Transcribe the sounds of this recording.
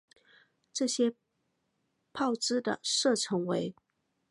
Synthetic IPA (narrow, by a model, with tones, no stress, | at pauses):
ʈ͡ʂɤ˥˩ɕjɛ˥ | pʰɑ˥˩ʊʈ͡ʂɻ̩˥d̪ə̰˨ʂɤ˥˩ʈ͡ʂʰɤ˧˥ŋwe˧˥ɪ